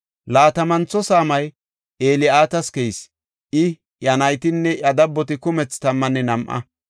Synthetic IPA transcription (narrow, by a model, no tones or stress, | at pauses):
laːt̪ɐmɐnt͡sːɔsaːmɐj | ʔeːlɪaːt̪ɐskɛjs | ʔɪ | jɐnɐjt̪ɪnːɛʔɐd̪ɐbːɔt̪ɪkʊmɛt͡st̪ɐmːɐnːɛnɐmʔɐ̰